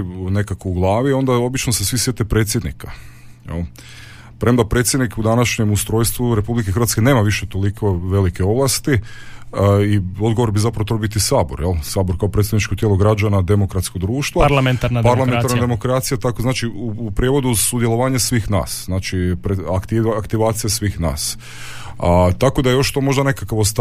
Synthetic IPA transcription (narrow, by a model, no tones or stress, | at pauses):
ne̞kakouɡlˠaːʋio̞nd̪ao̞bit͡ʃnosesʋisje̞t̪epɾeːt̪sʲjed̪nḭka | jḛl | pɾemd̪apɾet̪sjed̪nikud̪anaʃɲemust̪ɾo̞jst̪ʋuɾe̞publikexɾʋat̪ske̞ne̞ːmaʋiʃet̪o̞liko̞ʋe̞likeo̞ʋlˠast̪i | io̞d̪ɡoo̞ɾbizapɾaʋot̪ɾobit̪isaːboɾjelˠsaːboɾkaopɾet̪sed̪nit͡ʃkot̪jelˠoɡɾad͡ʒanad̪e̞mokɾat̪skod̪ɾuːʃt̪ʋolaenanpalˠamenaɾnad̪e̞mokɾat̪sijat̪akoznaːt͡ʃiuːpɾjeʋo̞d̪usud̪jelˠo̞ʋaːɲasʋixna̰ːsznaːt͡ʃipɾeakt̪iakt̪iʋaːt̪sijasʋixna̰ːs | t̪ako̞d̪ajejo̞ʃt̪o̞mo̞ʒd̪ane̞kakaʋost̪